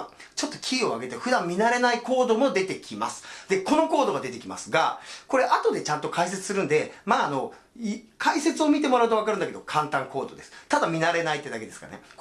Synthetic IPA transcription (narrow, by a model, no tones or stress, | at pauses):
t͡ɕo̞t̪ːo̞kʲʰiːo̞aɡe̞t̪eɸɯ̟d̪ãmːmʲinaɾe̞naiko̞ːd̪o̞mo̞d̪e̞t̪e̞kʲima̰sɨ̥d̪e̞ko̞no̞ko̞ːd̪o̞ɡad̪e̞t̪e̞kʲima̰sɨɡa̰ko̞ɾe̞ʔat̪o̞d̪e̞t͡ɕãnt̪o̞kais̬et͡sɨ̥sɨɾɯ̟̃nd̪e̞maːno̞ | kʰaise̞t͡sɨo̞mʲit̪e̞mo̞ɾaɯ̟t̪oakaɾɯ̟nd̪aked̪o̞kʰãnt̪ãŋko̞ːd̪o̞d̪e̞sɨ̥t̪ad̪amʲinaɾe̞nait̪ːe̞d̪ake̞d̪e̞sɨ̥ka̰nḛ